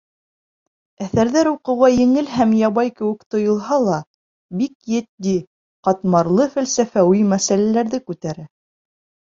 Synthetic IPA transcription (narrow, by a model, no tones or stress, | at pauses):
æθæɾðæɾuqɤ̆wʁɑjɘ̆ŋɘlɦæmjɑβɑjkɘ̆wɘ̆kt̪ŏjŏlˠɦɑlˠɑ | bikjɘ̆t̪̚d̪i | qɑt̪mɑɾlˠɤfælsæfæwimæsælælæɾðɘkʉt̪æɾɘ